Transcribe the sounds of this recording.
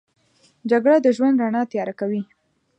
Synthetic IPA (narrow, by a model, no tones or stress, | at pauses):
d͡ʒaɡɽad̪əʒwand̪ɾanɑt̪jɑɾakawi